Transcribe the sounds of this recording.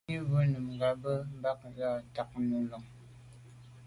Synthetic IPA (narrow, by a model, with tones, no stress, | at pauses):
i˦və˦nɨ˨mŋ˨ɡa˨bə˦m̩˦ba˦k̚za˦˨ta˨k̚nu˨lɔ˨ŋ